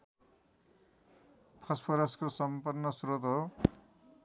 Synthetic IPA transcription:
pʰʌspʰoɾaskosʌmpʌrnːʌsuɾot̪ɦo

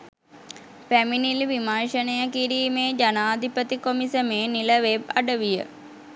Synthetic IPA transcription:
pæminilʋimaːʃənəjəkiɾiːmeːd͡ʒanaːd̪ʱipət̪ikomisəmeːniləʋebaɖəʋijə̰

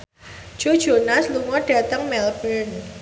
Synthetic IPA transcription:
d̥ʒ̥o̤d̥ʒ̥o̤nasluŋɔɖ̥a̤t̪əŋmɛlbən

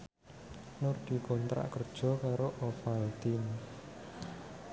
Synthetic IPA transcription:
nʊrd̪̥i̤kɔnt̪ɾa̰ʔkərd̥ʒ̥ɔ̤kaɾoʔɔfait̪in

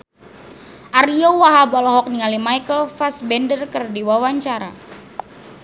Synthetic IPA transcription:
ʔariowaɦabɔlɔɦɔk̚niŋalimajkəlfasbɛndərkərdiwawaɲt͡ʃaɾa̰

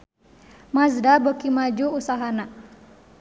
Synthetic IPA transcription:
masdabokimad͡ʒuusaɦana

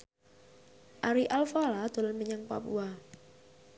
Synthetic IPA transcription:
ʔaɾiʔalfalad̪̥o̤lɔnməɲaŋpa̰pṵa

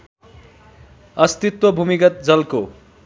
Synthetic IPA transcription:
ʌst̪it̪wʌbʱumikʌt̪̚d͡zʌlko

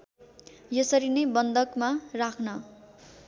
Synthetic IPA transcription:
jʌsʌɾinʌjbʌnd̪ʌkmarakʰnʌ

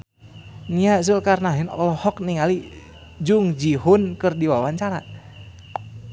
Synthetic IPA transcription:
niaʔs̬əlkarnaɦɪnɔ̰lɔhɔk̚niŋali | d͡ʒuŋd͡ʒiɦʊnkɨrdiwawaɲt͡ʃaɾa̰

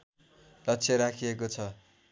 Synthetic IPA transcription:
lʌt͡sʰeɾakʰijekot͡sʰʌ

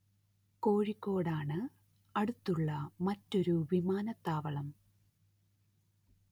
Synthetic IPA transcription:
ko̞ːɻikːo̞ːɽaːɳɨ | ɐɽut̪ːuɭːɐmɐtːo̞ɾuʋimaːnɐt̪ːaːʋɐɭɐm

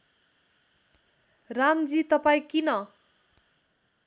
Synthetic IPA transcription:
ramd͡zit̪ʌpaĩkinʌ

